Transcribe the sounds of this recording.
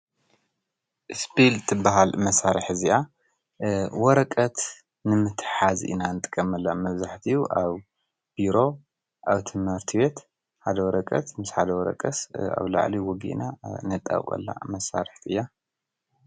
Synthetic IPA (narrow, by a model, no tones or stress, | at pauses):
ʔɨspʰilt̪ʰɨbːaɦalmɐsaɾɨħziʔa | wɔɾɐkʼɐt̪ | nɨmɨt̪ʰħazḭnanɨt̪ʼɨ̥kʼːɐmɐlːamɐβzaħt̪ʰiuʔaβ | b̥iɾo̞ | ʔaβt̪ʰɨmhɨɾt̪ʰibe̞t̪ | ħad̪ɐwɔɾɐkʼɐ̰t̪mɨsħad̪ɐwɔɾɐ̰kʼɐsa̰βla̰ʕliwɔɡḭʔnanɨt̪ʼːa̰wkʼɐ̰lːa̰mɐsa̰ɾɨħt̪ʰɨjːa